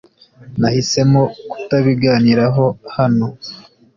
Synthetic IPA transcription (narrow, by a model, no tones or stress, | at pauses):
nahise̞moku̥taβiɡaːniɾaɦo̞hano̞